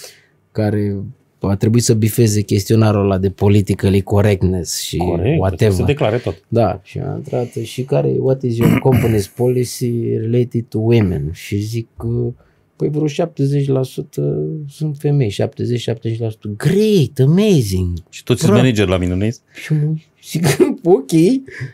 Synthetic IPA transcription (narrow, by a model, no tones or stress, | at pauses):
kaɾe̞ | at̪ɾebuisəbife̞ze̞kʲe̞st̪io̞naɾolad̪epo̞lit̪ikəliko̞ɾek̚t̪nesʃioɾekwat̪evsead̪eklaɾət̪ot̪d̪aʃḭa̰nt̪ɾat̪əʃikaɾḛwat̪ezionkomponizpolisiɾilet̪id̪̚t̪uwimḛnʃizikə | pəjvɾoʃap̚t̪ezet͡ʃʲlasut̪əsɨnt̪fe̞me̞jʃa̰p̚t̪ezet͡ʃʃap̚t̪ezet͡ʃʲlasu̥t̪əɡɾejt̪əmejziŋɡʃi̥t̪ot̪smenid͡ʒerʲlaminunesʃimu | sikɨnd̪okʲej